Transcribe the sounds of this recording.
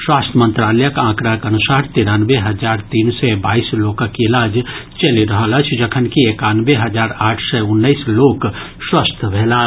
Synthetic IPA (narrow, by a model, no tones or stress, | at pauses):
swaːst̪ʰəmə̃nt̪ɾaːləjəkãːkɾakɐnʊsaːɾt̪iɾaːnʋeɦɐd͡ʒaːɾt̪iːnsebaːiːsloːkakiɪlaːd͡ʒt͡ʃɐliɾɐɦəlɐt͡ʃʰd͡ʒɐkʰənkieːkaːnʋeɦɐd͡ʒaːɾaːʈʰsɛʊnːəiːsloːkswast̪ʰbʱeːlaː